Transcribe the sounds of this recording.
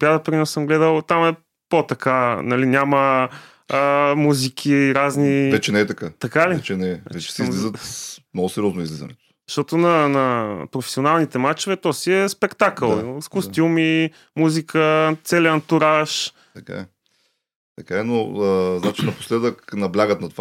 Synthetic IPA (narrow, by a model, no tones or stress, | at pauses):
bjad̪əpɾinɔsəmɡlɛd̪əlˠt̪amɛ | pot̪ɐkanɐlinʲamə | əmuzik̟ʰʲiɾaznivɛt͡ʃɛnɛɛt̪ɐkat̪ɐkaliɛt͡ʃɛnɛa̰vɛt͡ʃt͡ʃɛ̥sɛizlizət̪mnoɡʊsɛɾʲiɔznoizlizɐ̰nɛ̰t̪o̥ | ʃt̪ɔt̪onɐnɐpɾofɛ̥sionalˠnit̪ɛmat͡ʃovɛt̪ɔsiɛspɛkt̪akəlˠskost̪ʲjumi | muzikʰət̪sɛliənt̪uɾaʃ | t̪ɐka̰ | t̪ɐkaɛnoəznat͡ʃinɐpo̥slɛd̪əknɐblʲaɡət̪nɐt̪ova